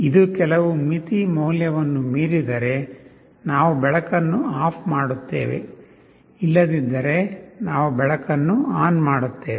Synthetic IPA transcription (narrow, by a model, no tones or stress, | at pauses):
id̪ukɛlɐʋumit̪imɐwljɐʋɐnːumiːɾid̪ɐɾe̞ | naːʋubɛɭɐkɐnːuaːpʰmaːɽut̪ːḛːʋḛ | ilːɐd̪id̪ːɐɾe̞naːʋubɛɭɐkɐnːuaːnmaːɽut̪ːeːʋ